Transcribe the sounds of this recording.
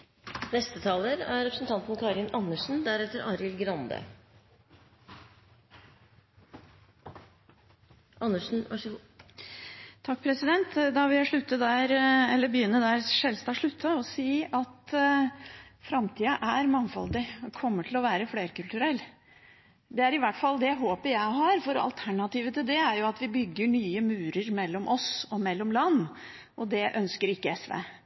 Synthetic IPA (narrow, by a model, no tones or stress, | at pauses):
nɛst̪ət̪ʰɑːləɾæ̰ɾɛpɾəsn̩t̪ʰɑnt̪nkʰɑɾɪnɑnːəʂn̩d̪æɾɛt̪ːəɾɑɾɪlɡɾɑnd̪ə̰ | ʔɑnːəʂn̩ | t̪ʰɑk̚ːpʰɾɛsɪd̪ɛnt̪d̪ɑʋɪljæʂɭʉt̪ːəd̪æːɾɛlːəbəjʏnːəd̪æːɾʂɛlst̪ɑːʂɭʉt̪ʰːəɔsiːɑt̪ | fɾɑmt̪ʰiːəʔæɾmɑŋfɔ̰ld̪ɪkʰɔmːəʈʰɪlɔʋæːɾəfleːɾkʉlt̪ʉɾɛlː | d̪ɛæɾɪʋæʈːfɑld̪ɛæɪɦoːpəjæɪhɑɾfɔɾɑ̰lt̪ʰæɳɑt̪iːʋət̪ʰɪld̪ɛæɾjʊɑt̪ʋɪbʏɡːəɳyːəmʉːɾəɾmɛlːɔmʔɔsɔmɛlːɔmlɑnː | ʔɔd̪ɛʔœnskəɾɪkːəɛsʋḛː